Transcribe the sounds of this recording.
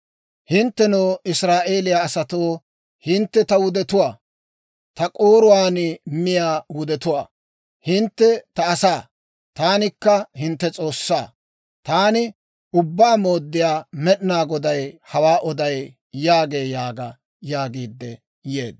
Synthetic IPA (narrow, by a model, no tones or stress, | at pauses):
hɪnt̪ːɛnoːʔɪsɾaːʔe̞ːlɪjaːsɐt̪oː | hɪnt̪ːɛt̪ɐwʊd̪ɛt̪ʊwaː | t̪ɐkʼoːɾʊwaːnɪmɪjaːwʊd̪ɛt̪ʊwa̰ː | hɪnt̪ːɛt̪ɐːsaː | t̪aːnɪkːɐhɪnt̪ːɛt͡sʼo̞ːsːaː | t̪aːnɪ | ʊbːaːmo̞ːd̪ːɪjaːmɛɗnaːɡɔd̪ɐjhɐwaːʔɔd̪ɐj | jaːɡe̞ːjaːɡɐ | jaːɡiːd̪ːɛ | jḛːd̪